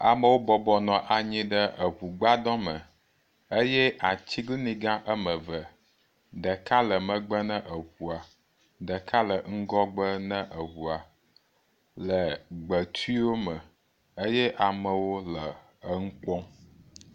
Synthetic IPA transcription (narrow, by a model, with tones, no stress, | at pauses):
a̰˨mə̃˨wo˦bɔ˨bɔ˨nɔ̃˨ʔa˨ɲĩ˦ɖə˦ə˨ɦu˨ɡ͡ba˦dɔ̃˦mə̃˨ | ə˦jɛ˦ʔa˨t͡ɕi˦ɡli˦nĩ˦ɡã˦ʔə˦mə̃˨və˨ | ɖə˨ka˦lə˨mə̃˨ɡ͡bə˦nə̃˦ʔə˨ɸu˨a˨ | ɖə˨ka˦lə˨ŋ̩˦ɡɔ˦ɡ͡bə˦nə̃˦ʔə˨wu˨a˨ | lə˨ɡ͡bə˨t̪ʰu˦i˦wo˦mə̃˨ | ə˦jɛ˦ʔa˨mə̃˨wo˦lə˨ | ə˨ŋ̩˦k͡pɔ̃˦